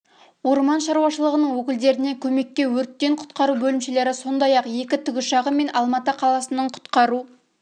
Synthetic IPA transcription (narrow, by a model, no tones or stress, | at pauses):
wo̞ɾmɑnʃɑɾuwɑʃəlˠəʁənəɴwɵkʲɪld̪e̞ɾɪne̞kʲʰɵme̞kʲːe̞wɵɾt̪ːe̞ɴqʰʊ̥t̪qɑɾubɵlɪmʃe̞le̞ɾɪso̞nd̪ɑjɑqje̞kʲɪt̪ʰʏɡʲɪʃɑʁəme̞nʔɑlˠmɑt̪əqʰɑlˠɑsənəɴqʰʊ̥t̪qɑɾu